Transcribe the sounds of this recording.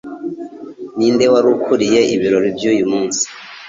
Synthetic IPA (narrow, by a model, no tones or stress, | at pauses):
niːnde̞waɾukʰuɾije̞ʔiβiɾo̞ɾivjujumuːnsi̥